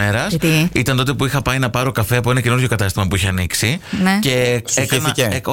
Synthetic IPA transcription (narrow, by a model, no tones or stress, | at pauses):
eɾɐst̪iit̪ɐnt̪o̞t̪e̞puixɐpɐinɐpɐɾokɐfe̞ɐpoenɐce̞nuɾʝo̞kɐt̪ɐst̪imɐpuiçeɐniksince̞ekinee